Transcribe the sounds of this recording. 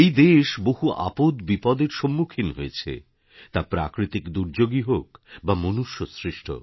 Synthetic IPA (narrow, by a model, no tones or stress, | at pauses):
ejd̪eʃboɦuʔa̰pod̪bipɔd̪eɾʃomːukʰinɦoet͡ɕʰḛ | t̪apɾa̰kɾit̪ikd̪uɾd͡ʑoɡiɦokbamonuʃːosɾiʃʈʰo̰